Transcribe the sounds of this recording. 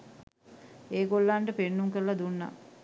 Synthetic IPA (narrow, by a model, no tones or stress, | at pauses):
eːɡolːaɳɖəpenːuŋkəɾəlɐd̪unːa̰